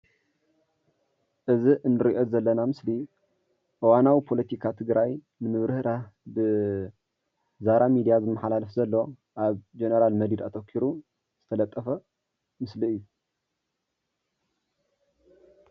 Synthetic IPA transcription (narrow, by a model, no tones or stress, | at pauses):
ʔɨziʔɨnːɨɾiʔo̞zɐlːɐnamɨsli | ʔɨwanawipʰo̞lɐt̪ʰikʰat̪ʰɨɡɾaj | nɨmɨβɾɨhɾabɨ | zaɾamid̪ijazɨmːɐħalalɐfzɐlːo̞ | ʔaβd͡ʒenɐɾalmɐd̪id̪at̪ʰokʰːiɾu | z̥ɨt̪ʰɐlɐt̪ʼːɐfɐ | mɨsliɨjːu